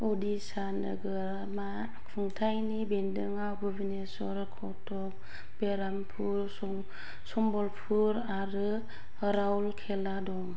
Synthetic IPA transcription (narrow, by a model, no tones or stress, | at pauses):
ɔdisanəɡɯɾ | ma | kʰuŋtʰajnibendɯŋawbɯbinesɔɾkʰɔtʰɔp̚ | beɾampʰuɾsɔŋ | sɔŋbɔlpʰuɾ | aɾɯ | həɾawlkʰeladɔŋ